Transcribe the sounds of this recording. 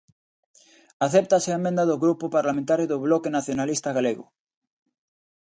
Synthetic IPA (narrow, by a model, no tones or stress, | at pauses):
aθɛp̚t̪aseemẽnd̪aðoɣɾupʊpaɾlamẽnt̪aɾjoðoβlɔkenaθjonalist̪aɣaleɣʊ̰